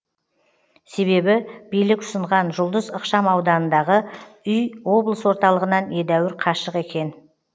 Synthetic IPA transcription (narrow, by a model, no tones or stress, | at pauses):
se̞βe̞bɪb̥ijlɪkʊ̥səɴʁɑnʒʊlˠd̪əzəqʃɑmɑwd̪ɑnənd̪ɑʁəʏjo̞blˠəswo̞ɾt̪ɑlˠəʁənɑne̞d̪æwɪɾqʰɑʃəqe̞kʲe̞n